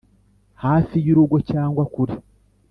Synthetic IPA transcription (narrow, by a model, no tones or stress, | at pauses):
haːsijiɾuɡo̞caːŋɡwakuɾi